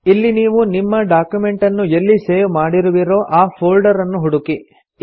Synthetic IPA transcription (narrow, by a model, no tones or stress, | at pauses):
ilːiniːʋunimːɐɖaːkjume̞ɳʈɐnːuelːiseːʋmaːɽiɾuʋiɾo̞ːʔaːpʰoːlɖɐɾɐnːuɦuɽuki